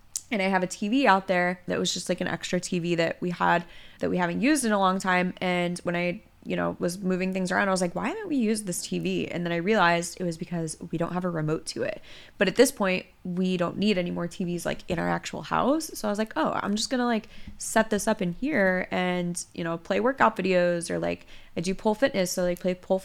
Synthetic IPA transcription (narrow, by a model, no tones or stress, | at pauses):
ɨ̃ɾ̃aɪɨvɨtʰiviaʊt̪̚ðə˞ðɨ̰ʔ̚wʌzd͡ʒʌst̚ˡlaɪkɨ̃ñʔɛ̰kstɹ̥ɨtʰiviðɨʔ̚wiə̰d̪̚ðɨʔ̚wiɦævɨ̃njʉzdɨ̃nəlɔ̃ŋtʰãɪ̃mʔɨ̃nwə̃ñaɪ | jɨɾ̃no̰ʊwʌzmʉvɪ̃ŋθɪ̃ŋzə˞ãʊ̃ndaɪwʌzlaɪkwaɪɾoʊn̩ʔwijʉzðɪstʰiviɨ̰̃nðɨ̃ñaɪɹiəlaɪzdɨt̚wʌzbɨkʰʌzwiɾõʊ̃nt̚hɨvəɹɨmoʊtʰɨɪ̰t̚ | b̥ʌɾɨt̪̚ðɪspʰɔ̃ɪ̃nt̚wiɾõʊ̃nːiɾɛnimɔɹtʰivizla̰ɪkɨ̃nəə̰˞æk̚t͡ʃul̩ˠha̰ʊsːoʊaɪʌzlaɪkoʊʔã̰ɪ̃md͡ʒʌsɡ̥ʌnəlaɪksɛt̪̚ðɪsʌpɨ̃nhiɹɨ̃njɨ̰ñoʊpʰl̥eɪwɜ˞kɑpvɪɾioʊzə˞la̰ɪkɨdjɨpʰʊlˠfɪtⁿnɨsoʊlaɪk̚pʰl̥eɪpʰʊlˠ